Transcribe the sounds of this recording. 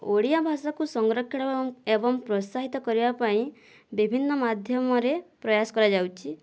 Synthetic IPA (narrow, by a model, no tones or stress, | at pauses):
oɽijabʱasakusɔŋɡɾɔkʰjiɽɔbebɔŋpɾɔsaɦit̪ɔkɔɾibapaĩ | bibʱinːɔmad̪ʱjɔmɔɾepɾɔjasɔ̥kɔɾad͡ʒawt͡ʃʰi